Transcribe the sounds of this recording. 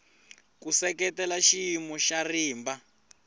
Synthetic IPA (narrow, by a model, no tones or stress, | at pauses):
kusɛkɛtɛlaʃimɔʃariːmba